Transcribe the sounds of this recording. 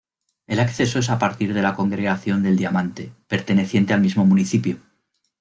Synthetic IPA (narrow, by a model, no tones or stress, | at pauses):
e̞lakθe̞soe̞sapaɾt̪iɾðe̞lako̞ŋɡɾe̞ɣaθjo̞nd̪e̞ld̪jamãnt̪e̞pe̞ɾt̪e̞ne̞θje̞nt̪e̞almizmo̞muniθipjo